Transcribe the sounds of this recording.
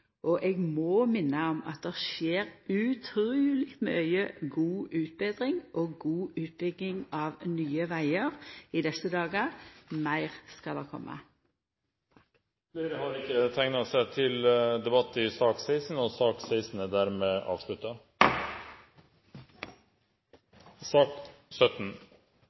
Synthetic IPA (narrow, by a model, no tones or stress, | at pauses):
ʔɔʔɛɡmɔːmɪnːəɔmɑt̪̚d̪ɛʃeːɾʉt̪ʰɾʉːlɪkt̪mœʏəɡuːʔʉːt̪̚beːd̪ɾɪŋʔoɡuːʔʉːt̪̚bʏɡ̪ɪŋɑːʋnyːəʋæɪəʁid̪ɛsəd̪ɑːɡəmæɪʁskɑld̪ɛkʰɔ̰mːʔə̰ | leɾəhɑɾɪkːət̪ʰæŋnɑsæt̪ʰɪld̪ɛbɑt̪ːɪsɑːksæɪsn̩əɔsɑːksæɪsn̩əd̪æːɾmeːʔɑ̰ːʋʂɭʉt̪ɑ | sɑːksœt̪n̩